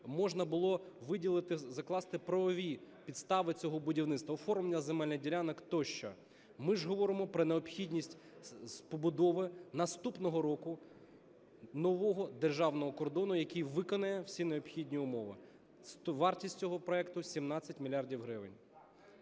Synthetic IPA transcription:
mɔʒnɐbʊlˠɔʋɪdʲilˠɪt̪ɪzɐklˠɑst̪ɪpɾɐʋɔʋʲipʲid̪st̪ɑʋɪt͡sʲɔɦɔbʊdʲiwnɪt̪st̪ʋɐɔfɔrmenʲɐzemɛlʲnɐdʲilʲanɐkt̪ɔʃt͡ʃɔ̰ | mɪʒɦɔʋɔɾɪmɔpɾɔneɔpxʲidʲnʲisʲtʲ | spɔbʊd̪ɔʋɪnɐst̪upnɔɦɔɾɔkʊ | nɔʋɔɦɔd̪erʒɑwnɔɦɔkɔrd̪ɔnʊjɐkʲijʋɪkɔnɐjɛwsʲineɔpxʲidʲnʲiʊmɔʋɪ̰ | st̪ɔʋɑrtʲisʲt̚ʲt͡sʲɔɦɔpɾɔɛkt̪ʊsʲimnɑt͡sʲːɐtʲmʲilʲjɑrdʲiwɦɾɪʋɪnʲ

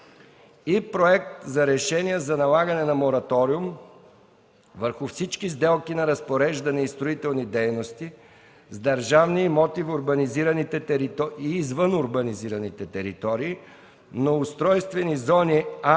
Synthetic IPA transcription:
ipɾoɛk̚t̪zɐɾɛʃɛniɛzɐnɐlˠaɡɐnɛnɐmoɾɐt̪ɔɾium | vəɾxʊfsit͡ʃkizd̪ɛlˠkinɐɾɐspoɾɛʒd̪ɐnɛist̪ɾoit̪ɛlˠnid̪ɛjnost̪i | zd̪ɐɾʒavniːmɔt̪ivʊɾbɐniziɾɐnit̪ɛt̪ɛɾit̪ɔiːzvənʊɾbɐniziɾɐnit̪ɛt̪ɛɾit̪ɔɾiː | noʊst̪ɾɔjst̪vɛnizɔnia

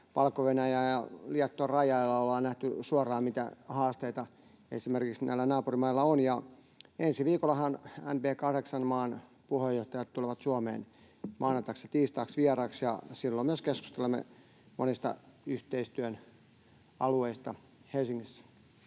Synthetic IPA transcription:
ʋɑlkːoʋenæjæːjɑliɑt̪ːorɑjɑilːɑolːɑːnæht̪ysuɑrˑɑːmit̪æ̰hɑːst̪eit̪ɑ | ḛsimerkiksnæ̰ilːænɑːpurimɑilːɑonjɑ | ensiʋiːkolːˑɑhɑnæ̰mpeːkɑhɾeksɑnmɑːn | puhejoht̪ɑjɑt̪t̪uleʋɑt̪suɑmḛːn | mʔɑːnɑnt̪ɑksjɑt̪iːst̪ɑːksʋiɛrɑːksjɑ̰silːomyøskesku̥st̪elemːḛ | mo̰nist̪ɑ̰yht̪eist̪yøn | ɑlueist̪ɑ | helsiŋːisːæ̥

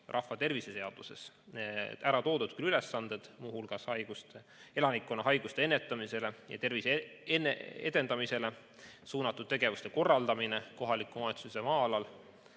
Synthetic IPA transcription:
rʔɑhvɑt̪e̞rvise̞se̞ɑd̪̥use̞̰s | eæɾɑt̪o̞ːd̪ud̪̥kylyle̞sːɑnd̪̥e̞d̪̥muːhulɡ̥ɑshɑjɡ̥ust̪e | e̞lɑnikːˑo̞nːɑɦɑjɡ̥ust̪e̞e̞nːet̪ːˑɑmise̞le̞jɑ̰t̪e̞rviseeneḛd̪̥e̞nd̪̥ɑmise̞le̞ | suːnɑt̪ːˑud̪̥̚t̪e̞ɡ̥e̞vust̪e̞ko̞rːɑld̪ɑmine̞ko̞ɦɑlikːˑumɑet̪suse̞mɑːɑlɑl

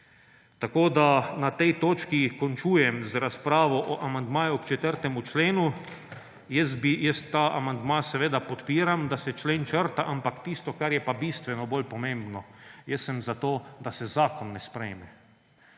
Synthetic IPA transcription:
t̪akoːd̪anat̪ɛjt̪oːt͡ʃkikɔnt͡ʃuːjɛmzɾaspɾaːʋɔʔɔʔamand̪maːjuɔkt͡ʃɛt̪əɾt̪ɛmut͡ʃleːnu | jɛs̬t̪̚bijɛst̪ːaːʔa̰mand̪maːsɛʋeːd̪apɔt̪piːɾamd̪asɛt͡ʃleːnt͡ʃəɾt̪aʔampakt̪iːst̪ɔkaɾjɛpabiːst̪ʋɛnɔbolpɔmẽmbnɔjɛsːɛmzat̪oːd̪asɛzaːkɔnːɛspɾɛjmɛ

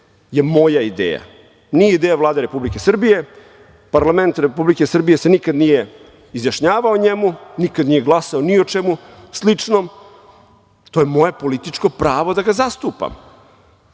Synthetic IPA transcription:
je̞mo̞jaid̪ḛːja̰ | nijeid̪ejavlˠaːd̪eɾe̞publike̞sr̩bije̞ | paɾlˠament̪ɾepublike̞sr̩bijese̞nikad̪nije̞ | izjaʃɲaːʋaoɲemunikad̪nije̞ɡlˠasaonio̞t͡ʂemuslit͡ʂnom | t̪o̞je̞mo̞je̞po̞lit̪it͡ʂko̞pɾaːʋo̞d̪aɡazast̪upa̰m

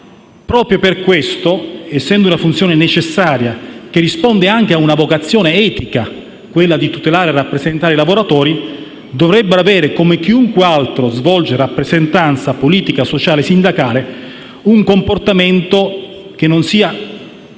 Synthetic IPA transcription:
pɾɔːpɾjoperkwest̪oɛsːɛnd̪ounafunt̪sjɔːnenet͡ʃesːaːɾjak̟erːispond̪eaŋk̟eaunavokat̪sːjɔːneɛːt̪ika | kwelːad̪it̪ut̪elaːɾerapːɾezent̪aːɾeilavoɾat̪ɔːɾi | d̪ovɾɛbːeɾoavɛːɾekomek̟iuŋkwealt̪ɾozvɔld͡ʒeɾapːɾezent̪ant̪sapoliːt̪ikasot͡ʃaːlesind̪akaːle | uŋkomport̪ament̪o | k̟enːonsiːa

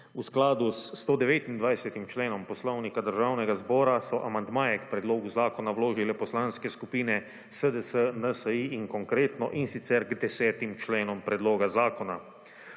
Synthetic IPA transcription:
usklaːd̪ust̪oːd̪ɛʋeːt̪ind̪ʋajsɛt̪imt͡ʃleːnɔmpɔslɔwnikad̪əɾʒaːwnɛɡazbɔːɾasɔʔamand̪maːjɛkpɾɛd̪loːɡuzaːkɔnawloːʒilɛpɔslanskɛskupiːnɛ | səd̪əsənəsəiiŋkɔŋkɾeːt̪nɔʔinsit̪sɛɾɡd̪ɛsɛːt̪imt͡ʃleːnɔmpɾɛd̪loːɡazaːkɔna

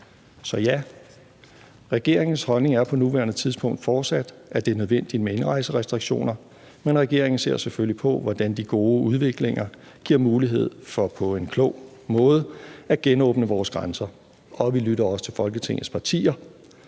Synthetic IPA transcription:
sɒ̽jæ | ʁɛɡ̥e̝ɐ̰e̝ŋn̩shɒ̽lne̝ŋæɐpʰɒ̽nuʋæɐnð̩ˠt͡sʰið̞ˠsb̥ʰɔ̽ŋ̰d̥fɒːd̥sæd̥æd̥e̝nøð̞ˠʋen̰d̥imee̝nʁɑ̈ɪsəʁɛsd̥ʁiɡ̥ɕo̝̰ːnɐ | menʁɛɡ̥e̝ɐ̰eŋn̩se̝ɐ̰sefølipʰɒ̽ʋɒd̥ænd̥iɡ̥o̝ːuð̞ˠʋe̝ɡ̥le̝ŋɐ | ɡ̥iɐ̰muːliɦe̝ð̞̰ˠfɒ̽pʰɒ̽e̝nkʰlɔʊ̰ | mɔ̽ːð̞ˠəæɡ̥enɔ̽ːb̥nəʋɒːsɡ̥ʁɑnsɐ | ɒ̽ʋilyɾɐɒ̽sə̥t͡sʰe̝lfɒ̽lɡ̥ət͡sʰe̝ŋ̰ð̩spʰɑ̈t͡sʰḭːɐ

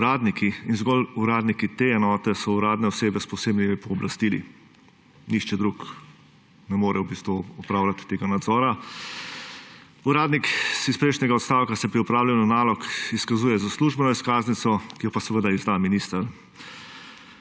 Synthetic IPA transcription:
uɾaːd̪nikʰiinzɡɔluɾaːd̪nikit̪eɛnɔːt̪ɛsɔuɾaːd̪nɛɔseːbɛspɔseːbnimipɔːblast̪ilḭ | nixt͡ʃɛd̪ɾuk | nɛmoːɾʔɛwbist̪ʋuɔpɾaːwlʲat̪ːeːɡanad̪zɔːɾa | uɾaːd̪niksispɾeʃnɛɡaɔt̪st̪aːwkasɛpɾiɔpɾaːwlawnanaːlɔkiskazuːjɛzasluʒbɛnɔiskaːznit̪sɔkijɔpasɛʋəd̪aizd̪aminist̪əɾ

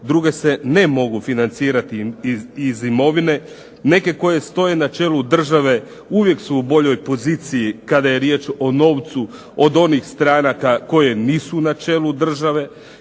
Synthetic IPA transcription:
d̪ɾuɡe̞se̞ne̞mo̞ɡufinant̪siːɾat̪iizimo̞ʋine̞ | ne̞ke̞ko̞je̞st̪o̞je̞nat͡ʃe̞ːlud̪r̩ʒaʋe̞ | uʋje̞ksuːbo̞ʎo̞jpo̞ziːt̪sijikad̪aje̞ɾje̞ːt͡ʃo̞no̞ːʋt̪su | od̪o̞nixst̪ɾaːnakako̞je̞niːsunat͡ʃe̞ːlud̪r̩ʒaʋe̞

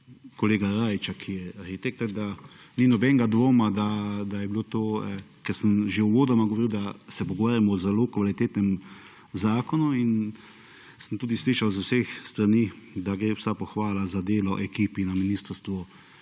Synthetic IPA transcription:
kɔleːɡaɾaːjt͡ʃakʰijɛaɾxit̪ek̚t̪ɛɡd̪a | ninɔbɛŋɡad̪ʋoːmad̪ad̪ajɛbilot̪oːɛkɛɾsəmʒeuʋoːd̪ɔmaɡoʋɔɾiwd̪asɛpɔɡoʋaːɾjamɔzɛloːkʋalit̪eːt̪nɛm | zaːkɔnuin | səmt̪uːd̪isliːʃawzusexst̪ɾanid̪aɡɾeːwsapɔxʋaːlazad̪eːlɔʔɛkiːpinaminist̪əɾst̪ʋu

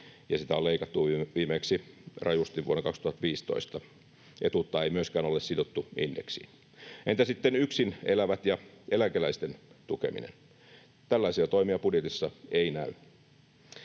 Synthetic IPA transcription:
jɑsit̪æoleikɑt̪ːuʋiːmeksirɑjust̪iʋʋuonɑkɑkst̪uhɑt̪ʋiːst̪o̰ist̪ɑ | ʔet̪ut̪ːɑeimyøskæːnolːˑessidot̪ːuindeksḭn | ent̪æsit̪ːenyksinelæʋæt̪jɑʔelæŋkelæist̪ent̪ukḛmḭnḛn | t̪ælːæisiɑt̪oimiɑpudjet̪isːɑeinæy

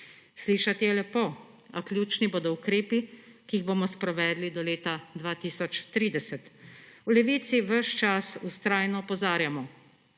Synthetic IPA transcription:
sliːʃat̪jɛlɛpo | aklʲjuːt͡ʃniboːd̪ɔukɾeːpikiːiɣbomɔspɾɔʋɛːd̪lid̪ɔleːt̪ad̪ʋaːt̪iːsɔt͡ʃt̪ɾiːd̪ɛsɛt̪ulɛʋiːt̪siʋəʃt͡ʃasust̪ɾaːjnɔpɔzaːɾjamɔ

